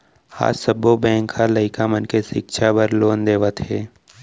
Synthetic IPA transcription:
ha̰ːsəbobɛ̃ːŋkʰːaləɪkamənkesɪkʃʰabəɾloːnd̪eːʋət̪ɦɛː

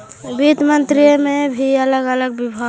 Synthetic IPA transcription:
bit̪mənt̪ɾijmẽbʱiələɡələɡ̚bɪbʱa

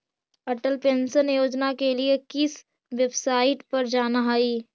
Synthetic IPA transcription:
ɐʈəlpẽːnsənjoːd͡ʒnakeliekɪs | ʋebsaːɪʈpɐɾd͡ʒaːnaɦaiː

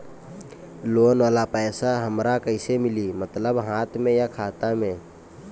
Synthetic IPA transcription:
loːnwaːlapɛːsaɦəmɾakəɪsemɪlimət̪ləbɦaːt̪ʰmẽjakʰaːt̪amẽː

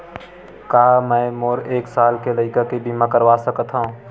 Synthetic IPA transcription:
kaːmɛ̃ːmoːɾeːksaːlkeləɪkəkibimãkəɾʋasəkət̪ʰɦaũ

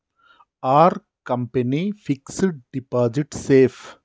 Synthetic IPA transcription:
aːɾ | kɐmpɐnifɪksɖɖɪpaːd͡ʒɪʈseːf

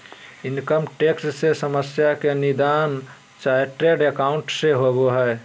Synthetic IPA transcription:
ɪnkəmʈekssesəməsjakenid̪aːn | t͡ʃaːeʈɾeɖekaʊ̃ɳʈseɦoboɦɛː

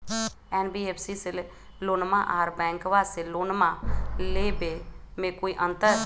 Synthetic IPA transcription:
ɛːnbiːeːpʰsiːsɪl | loːnmãːʔaːɾbɛ̃ːŋkʋaːseːloːnmãːleːbeːmẽːkoːiːʔənt̪əɾ

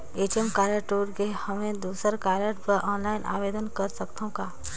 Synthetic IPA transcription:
eːt͡ʃəmkaːɾəʈoːɾɡehəmẽd̪uːsəɾkaːɾəʈbəʔɔːnlaːɪnʔa̰ːʋeːd̪ənkɐɾsəkt̪ʰõkaː

